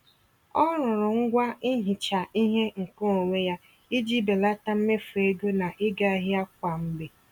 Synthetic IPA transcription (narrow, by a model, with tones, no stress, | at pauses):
ɔ˦ɾʊ˨ɾʊ˨ŋ̩˦ɡʷa˦i˦ɦi˨t͡ʃa˨i˦ɦe˦ŋ̩˨ko˦o˨ŋʷe˦ja˦ | i˦d͡ʒi˦be˨la˦ta˦m̩˦me˦fu˨e˦ɡo˦na˨ʔɪ˦ɡa˦ɦɪ˦a˦k̚ʷa˨m̩˦be˨